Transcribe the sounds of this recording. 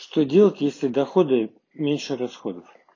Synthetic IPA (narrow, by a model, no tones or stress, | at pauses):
ʂt̪odʲelˠətʲjesʲlʲɪd̪ɐxod̪ɨ | mʲenʲʂɨrɐsxod̪əf